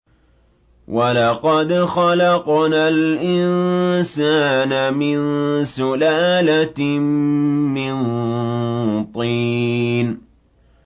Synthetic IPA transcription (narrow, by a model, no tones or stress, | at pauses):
wʔalɑqɑd̪xɑlɑqnaːlʔɪnsaːnamɪnsʊlaːla | ɪn | t̪ˤiːn